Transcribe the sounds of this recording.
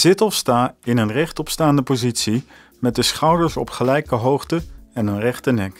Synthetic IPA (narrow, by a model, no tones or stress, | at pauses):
z̥ɪtɔfstaːɪnənrɛχtɔpstaːndəpozitsi | mɛt̚dəsχɑwdəɹsɔ̰pχəlɛjkəɦowχtəɛnənrɛχtənɛk